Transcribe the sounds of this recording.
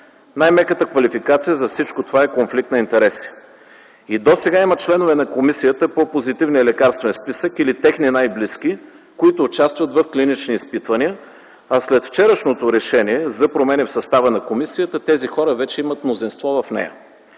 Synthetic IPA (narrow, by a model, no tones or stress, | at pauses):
najmɛkət̪əkvɐlifikat̪sijəzɐfsit͡ʃkot̪ovaɛkonflik̚t̪nɐint̪ɛɾɛsi̥ | id̪osɛɡaimət̪̚t͡ʃlɛnovɛnɐkomisijət̪əpopozit̪ivniəlɛkaɾst̪vɛnspisəkilit̪ɛxninajblisk̟i | koit̪oːt͡ʃast̪vət̪vəfklinit͡ʃniːspit̪vəniə | ɐslɛt̪ft͡ʃɛɾəʃnot̪oɾɛʃɛniɛzɐpɾomɛnifsɐst̪avənɐkomisijət̪ət̪ɛzixɔɾəvɛt͡ʃɛimət̪mnozinst̪vɔvɐfnɛ̰jə̰